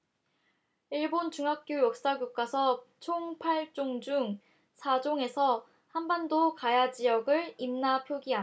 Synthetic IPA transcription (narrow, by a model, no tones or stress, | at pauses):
iɭbont͡ɕuŋɦak̚k͈jojʌk̚s͈aɡjuk̚k͈asʰʌt͡ɕʰoŋpʰaɭt͡ɕ͈oŋd͡ʑuŋ | sʰad͡ʑoŋe̞sʰʌ | hanbandokajad͡ʑijʌɡɯɭimnapʰjoɡia